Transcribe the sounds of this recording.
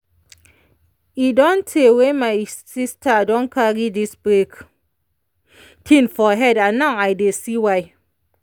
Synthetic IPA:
idɔntʰewemajsistadɔnkʰaɡidisbɾek | tʰinfɔɦɛdanawajdesiwaj

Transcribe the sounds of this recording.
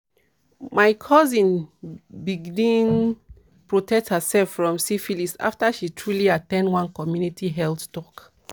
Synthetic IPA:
majkʰɔzĩnbiɡdĩn | pɹotʰɛk̚thəsɛlfːɹɔ̃msifilisa̰ftaʃitʰɹuliatɛ̃ndwãnkɔmjunitʰiɦɛlθtɔk

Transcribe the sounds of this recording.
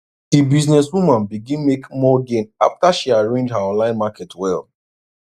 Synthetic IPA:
ibiznɛswumãnbiɡĩnmekmɔɡẽna̰ftaʃiaɹẽnd͡ʒhaɔ̃nlãɪ̃nmakɛtwɛ̰l

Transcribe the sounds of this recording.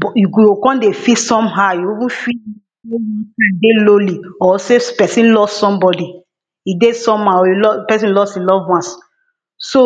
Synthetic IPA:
bɔjuɡokɔ̃ndefitsɔ̃mɦajoivũfii | ejitãdeloliɔsepɛsĩnlɔstsɔ̃mbɔdi | idesɔ̃mãɔjlɔpɛsĩnlɔstilɔvwãns | so

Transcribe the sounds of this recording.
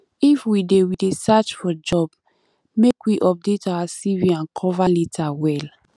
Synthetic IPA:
ifwidewidesat͡ʃfɔd͡ʒɔb̥ | mekwiʔɔp̚detawasiviãnkʰɔvalitʰawɛl

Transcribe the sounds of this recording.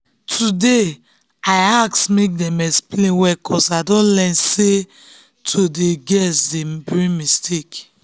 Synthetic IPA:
tʰude | aɪaksmek̚dɛ̃mɛksplẽnwɛkʰɔsaɪdɔ̃nlɛ̃nse | tʰodeɡɛsdebɹĩŋmistʰek

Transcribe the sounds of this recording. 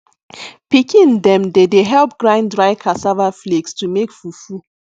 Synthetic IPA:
pikĩndɛ̃mdedeɦɛlp̚ɡɾãɪ̃ndɹaɪkʰasavaflekstumekfufu

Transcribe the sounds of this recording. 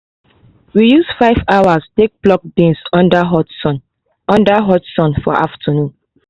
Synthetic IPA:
wijusfaɪvawastek̚b̥lɔk̚dẽnsɔ̃ndaɦɔtsɔ̃n | ɔ̃ndaɦɔtsɔ̃nfɔ̰ʔa̰ftʰənũn

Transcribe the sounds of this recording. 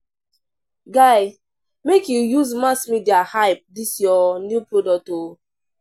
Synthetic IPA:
ɡaɪ | mekjujuzmasmidiahaɪp̚disjɔnjupɾodɔk̚to

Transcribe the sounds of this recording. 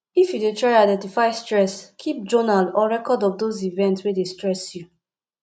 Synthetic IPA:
ifjudetʰɹaɪaɪdɛ̃ntifaɪstɹɛskʰip̚d͡ʒɔnalɔɹɛkɔdɔfdozivɛ̃ntswedestɹɛsju

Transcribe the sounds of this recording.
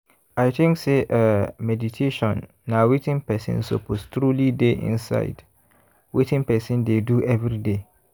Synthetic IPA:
aɪtʰɪ̃ŋkseʔɛmɛditʰeʃɔ̃nː | awetɪ̃npɛsɪ̰̃nso̰pʰostɾulideʔḭ̃nsa̰ɪd̥ | wetʰɪ̃ŋpɛsĩndeduʔɛvɾide

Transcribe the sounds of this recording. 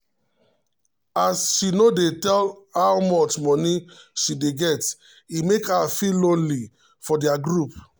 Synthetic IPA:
asʃinodetɛlhawmɔt͡ʃmɔniʃideɡɛt | imekafilõnli | fɔdiaɡɹup

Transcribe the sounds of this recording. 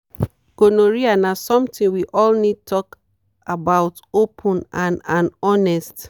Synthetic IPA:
ɡ̥onoɹianasɔ̃mtĩnwiʔɔlnid̚tʰɔk | abaʊt | opʰɔ̃nãnãnɔnɛst

